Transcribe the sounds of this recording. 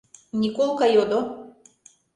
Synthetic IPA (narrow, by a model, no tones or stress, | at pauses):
nʲikolˠkajod̪o